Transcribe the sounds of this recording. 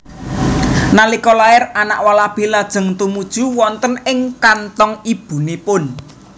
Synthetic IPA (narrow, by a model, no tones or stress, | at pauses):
nalikɔlaɪranaʔwalab̥e̤lad̥ʒ̥ə̤ŋt̪umud̥ʒ̥ṳwɔnt̪ənɪŋkant̪ɔŋib̥ṳnipʊn